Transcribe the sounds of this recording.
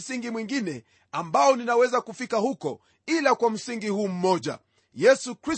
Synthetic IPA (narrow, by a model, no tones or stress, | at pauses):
siŋɡimwiŋɡinɛ | ambaɔninawɛzakufikahukɔ̰ | ilakwam̩siŋɡihuːm̩mɔʄa̰ | jɛsukɾi